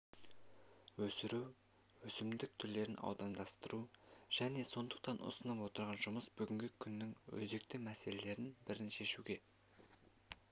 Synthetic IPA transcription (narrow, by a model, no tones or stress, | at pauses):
wɵsɪɾuw | wɵsɪmd̪ɪk̚t̪ʰʏɾle̞ɾɪnɑ̰wd̪ɑnd̪ɑst̪əɾuʒ̥æne̞so̞nd̪ə̥q̚t̪ɑnʔʊ̰sənɑpwo̞t̪əɾʁɑnʒʊməsbʏɡʲɪŋɡʲɪkʲʰʏnːɪŋwɵ̰ze̞k̚t̪ɪmæse̞le̞le̞ɾɪnbɪɾɪnʃe̞ʃuɡʲe̞